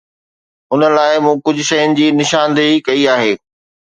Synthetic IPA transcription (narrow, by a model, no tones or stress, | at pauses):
ʊnəlaːɪmũːkʊd͡ʑʱʊ̆ʃɐjʊnɪ̆d͡ʑiːnɪʃãːnd̪ikɐiaːɦeː